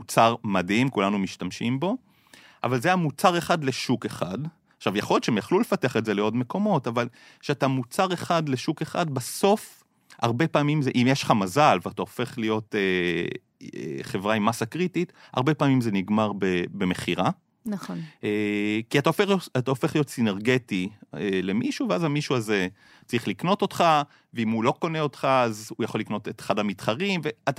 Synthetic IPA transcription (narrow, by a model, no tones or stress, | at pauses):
mut͡saʁmadimkulanumiʃtamʃimbo̞ | ʔa̰valzeamut͡saʁe̞χadleʃuke̞χad | aχʃavjaχo̞lt͡ʃʃeemjaχlule̞fateaχetze̞leo̞dme̞ko̞mo̞taval | ʃeatamut͡saʁe̞χadle̞ʃuke̞χa̰d̚baso̞f | a̰ʁbe̞paːmimzeʔimjeʃlχamazalveataofe̞χlijo̞te | ḛχe̞vʁaimasakʁitita̰ʁbe̞paːmimze̞niɡmaʁbebe̞me̞χiʁa | naχonekiataofeataofe̞χlijo̞tsineʁɡe̞tiele̞miʃuveazamiʃuaze̞ | t͡saʁiχlikno̞to̞tχa | veimulo̞ko̞neo̞tχaazujaχo̞lːikno̞tetχadamitχaʁimve̞ata